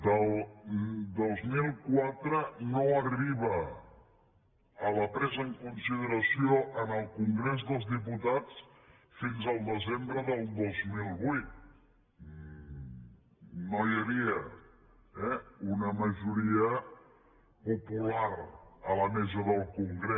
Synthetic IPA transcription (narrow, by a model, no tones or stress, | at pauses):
d̪əlˠ | d̪ozmilˠkwat̪ɾənoərriβ̞ə | ləpɾɛzəəŋkunsið̞əɾəsioʔənəlˠkuŋɡɾezðəlˠzðip̬ut̪at͡s | finzəlˠd̪əzembɾəðəlˠd̪ozmilˠβujt̪̚ | nojəβiə | ɛunəməʒuɾiə | pupulaɾələmɛzəðəlˠkuŋɡɾe